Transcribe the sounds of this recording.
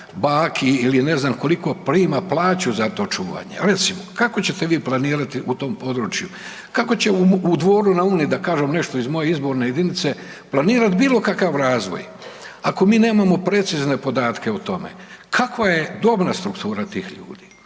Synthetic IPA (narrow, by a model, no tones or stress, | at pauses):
baːkʰiiline̞znamko̞liko̞pɾiːmaplˠaːt͡ɕuzat̪o̞t͡ʃuːʋa̰ɲḛɾe̞t̪simokako̞t͡ɕe̞t̪eʋiːplˠaniːɾat̪iʔut̪o̞ːmpo̞d̪ɾuːt͡ʃju | kako̞t͡ɕeuud̪ʋo̞ːɾunauːniid̪akaːʒemne̞ʃt̪o̞izmo̞jeizbo̞ɾnejed̪init̪se̞ | plˠaniːɾat̪biːlˠo̞kakaʋɾaːzʋo̞̰j | ako̞miːne̞ːmamo̞pɾe̞t̪sizne̞po̞d̪aːt̪ke̞ut̪o̞mḛkʰakʋaje̞d̪o̞bnast̪ɾukt̪uːɾat̪iːxʎṵːd̪iː